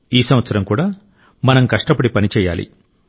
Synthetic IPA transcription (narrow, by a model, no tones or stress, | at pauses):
iːsɐmʋɐt̪sɐɾɐmkuːɽaː | mɐnɐmkɐʂʈɐpɐɽipɐnit͡ʃɛːja̰ːlḭ